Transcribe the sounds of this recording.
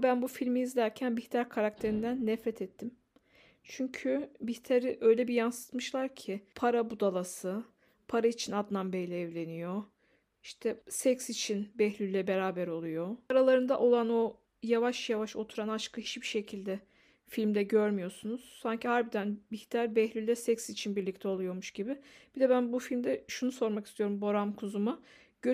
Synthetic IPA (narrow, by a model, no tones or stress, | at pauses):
bænbufilʲmiizd̪æɾcʰænbiht̪ʰaɾkʰaɾak̚t̪ʰe̞ɾind̪ænːɛfɾɛt̪ʰɛt̪ʰːim | t͡ʃʰyɲcʰybiçt̪ʰaɾiʔø̞jlʲɛbijansɯ̥t̪mɯʃlˠaɾcʰɪpʰaɾabud̪alˠasɯ | pʰaɾait͡ʃʰinad̪nˠambejlʲɛːvlʲe̞nijo̞ | iʃt̪ʰɛsɛcsit͡ʃʰinbɛhlʲylʲːɛbe̞ɾaːbɛɾo̞lˠujo̞aɾalˠaɾɯnd̪a̰ʔo̞lˠano̞ | javaʃjavaʃo̞t̪ʰuɾanaʃkʰɯhit͡ʃbiʃe̞cʰilʲd̪ɛ | filʲmd̪ɛɟøɾmyjo̞sunuz̥saɲcʰihaɾbid̪ænbiçt̪ʰaɾʲbɛhlʲylʲːɛsɛcsit͡ʃʰinbiɾlʲict̪ʰɛo̞lˠujo̞muʃɟibɪb̥id̪ɛbænbufilʲmd̪ɛʃunuso̞ɾmaki̥st̪ʰijo̞ɾumbo̞ɾamkʰuzuma | ɟ̥ø